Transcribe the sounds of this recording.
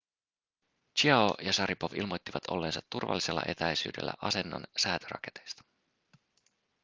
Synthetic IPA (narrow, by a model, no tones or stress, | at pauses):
t͡ʃiɑojɑsɑɾʔipo̞ʋilmo̞t̪ːiʋɑt̪ʰo̞̰lːe̞ːnsɑt̪ːurʋɑ̰lːise̞lːɑʔe̞t̪æjsy̰ːdelːæ̰ʔɑse̞nːo̰nsæːt̪øɾɑ̰ke̞t̪e̞jst̪ɑ̥